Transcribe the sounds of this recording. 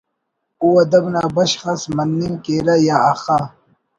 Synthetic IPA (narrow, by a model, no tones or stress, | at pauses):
uwɐd̪ɐbnaːbɐɕxɐsmɐnːimkeːɾɐjaːxaː